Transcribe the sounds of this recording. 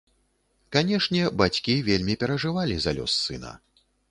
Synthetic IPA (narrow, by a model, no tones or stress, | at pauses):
kanʲɛʂnʲɛbat͡sʲkʲivʲelʲmʲipʲɛɾɐʐɨvalʲizalʲɔ̰sːɨnɐ̰